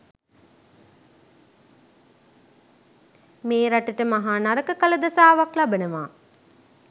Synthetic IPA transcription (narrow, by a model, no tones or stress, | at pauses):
meːɾaʈiʈəmaɦaːnaɾəkəkələd̪ɐsaːʋaklabənəʋaː